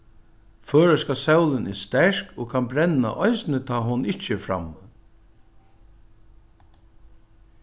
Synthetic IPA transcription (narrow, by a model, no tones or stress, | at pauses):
fœːɹəskasɛwlɪnʔɛst̪ɛɹ̥kɔkʰanbɾɛna̰ʔɔjsnət̪ʰaːɦʊnɪt͡ʃːəfɾa̰m